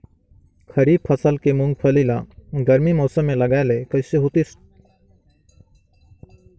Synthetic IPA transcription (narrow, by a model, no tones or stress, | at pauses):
kʰɐɾiːpʰəsəlkemʊ̃ŋɡ̚pʰəlilaɡəɾmimɔːsəmːẽlɐɡaelekəɪseɦoːt̪is